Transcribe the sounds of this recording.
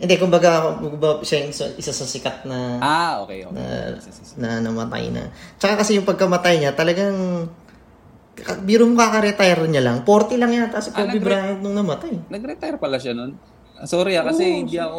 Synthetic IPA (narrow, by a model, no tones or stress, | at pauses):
ʔɪnd̪ɛkʊmbɐɡakomɐɡbaʃasɐ̰ʔɪsasɐsɪkat̪̚nɐaʔo̰kɛ̰o̰nɐ̰nɐnɐmɐt̪a̰jnɐ̰t͡ʃɐkakɐsɛjʊŋpɐɡ̚kɐmɐt̪ajɲat̪ɐlɐɡaŋ | ɐbiɾomkakɐɾɛt̪ajɾɲalaŋpo̞ɾt̪ɛlɐŋjant̪asopoɪbɾaːhɐt̪nʊŋnɐmɐt̪ajnɐɡɾɛt̪ajɾpɐlaʃanon | soːɾɪakɐsɛhɪ̃nd̪iɐko